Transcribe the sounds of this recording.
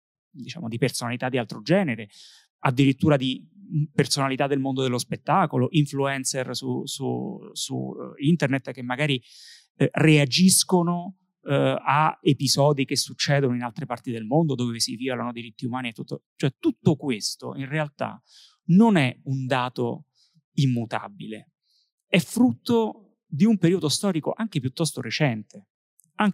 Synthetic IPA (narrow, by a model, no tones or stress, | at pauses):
d̪it͡ʃa̰ːmod̪ipersonalit̪ad̪ːialt̪ɾod͡ʒɛːneɾe | ad̪ːiɾit̪ːuːɾad̪ipersonalit̪ad̪ːelmond̪od̪elːospet̪ːaːkoloʔiɱfluɛnsersusṵsṵint̪ernet̪ːk̟emːaɡaːɾi | read͡ʒiskono | aepizɔːd̪ik̟esːut͡ʃːɛːd̪onoinalt̪ɾepart̪id̪elmond̪od̪oːvvesivialanod̪iɾit̪ːiumaːniet̪ːut̪ːot͡ʃoɛt̪ut̪ːokwest̪o̰inrealt̪a̰ | nonɛund̪aːt̪o̰ | imːut̪a̰bile | ɛfːɾut̪ːo | d̪iumpeɾiːod̪ost̪ɔːɾiko̰ʔaŋk̟epjut̪ːɔst̪oɾet͡ʃɛnt̪e | aŋ